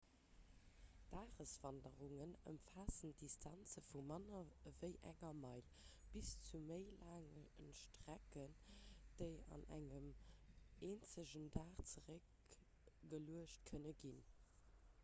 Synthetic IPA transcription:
d̥aːʁəsv̥ɑndəʁuŋənə̰mfaːsənd̥istʰɑnt͡səfumɑnɐvəɪʔæ̰ŋɐmɑɪl | b̥ist͡suməɪlaːŋəənʃtʁ̥ækənd̥əɪɑ̰næ̰ŋəm | eːnt͡səʑəndaːχt͡səʁək | ɡəluəʃt̚kʰənəɡin

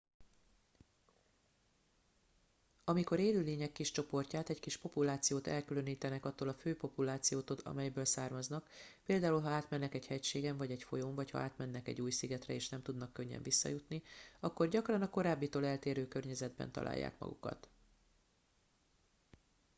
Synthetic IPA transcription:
ɒmiko̞ɾeːlyːleːɲɛkːiʃt͡ʃo̞po̞rcaːt̪ɛckiʃpo̞pulaːt̪sijoːt̪ɛ̰lkyløniːt̪ɛnɛkɒt̪ːoːlɒføːpo̞pulaːt̪sijoːt̪od̪ɒ̰mɛjbøːlsaːrmɒznɒkpeːld̪aːulɦɒaːt̪mɛnːɛkɛchɛcʃeːɡɛɱvɒɟɛcfo̞joɱvɒchɒ̰aːt̪mɛnːɛkɛ̰ɟːuːjsiɡɛt̪rɛ̰eːʃnɛmt̪ud̪nɒkːøɲːɛ̰ɱvisːɒ̰jut̪niɒkːo̞rɟɒkrɒnɒko̞ɾaːbːit̪oːlɛlt̪eːɾøːkørɲɛzɛd̪bɛ̰n̪t̪ɒ̰la̰ːjːa̰ːkmɒ̰ɡṵkɒ̰t̪

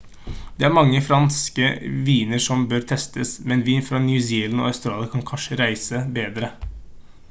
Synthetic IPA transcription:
d̪̥ɛæɾmɑŋːəfɾɑnskəʋiːnəʂɔmbøːɾt̪ʰɛst̪ʰəsmɛnʋiːnfɾɑnjʉsiːlnɔ̰ːɑʉst̪ɾɑːlɑkʰɑnkʰɑnʂəɾæɪsəbeːd̪ɾə

